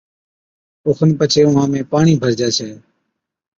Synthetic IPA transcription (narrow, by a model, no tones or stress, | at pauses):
oːxʰənpət͡ʃʰeːʊɦãːmẽːpaːɳiːbʱəɾd͡ʒaːt͡ʃʰɛː